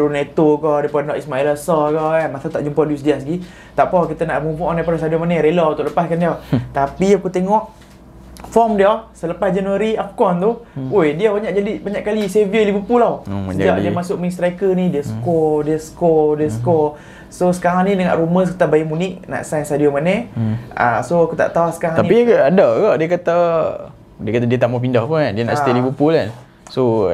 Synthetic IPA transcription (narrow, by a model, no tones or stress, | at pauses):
ɾunat̪okɔdiəpuanɔʔismailasɔkɔamasat̪aʔd͡ʒumpoduis̬dias̬ɡi | t̪aʔpɔkit̪ənaʔmupuʔɔnapɾɔsadiomanəɾelɔut̪ʊʔləpaskandiat̪apiakut̪eŋɔʔ | fɔmdiɔsələpasd͡ʒanuaɾiafkɔnt̪uojdiabaɲaʔd͡ʒadibaɲaʔkaliseviəlibupulaw̰d͡ʒd͡ʒaʔdiamasʊʔ̚mis̬t̪ɾajkənidiasə̥kɔdiaskɔdiaskɔ | sosə̥kaɾaŋnĩdəŋã̰ʔɾuməs̬kət̪abajimuniʔ̚na̰ʔsajnsadiomanɛa̰soakut̪a̰ʔt̪awahsə̥kaɾaŋt̪anĩpiadaɡaʔdiəkat̪a | diəkat̪adiət̪amap̬indahpuandiəna̰ʔsilibupulan | so